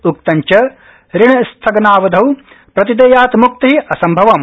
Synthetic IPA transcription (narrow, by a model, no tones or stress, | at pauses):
uk̚t̪ɐɲt͡ʃɐ | ɾiɳɐst̪ʰɐɡɐnaːʋɐd̪ʱɐw | pɾɐt̪id̪eːjaːt̪muk̚t̪ɐɦiʔɐsɐmbʱɐʋɐm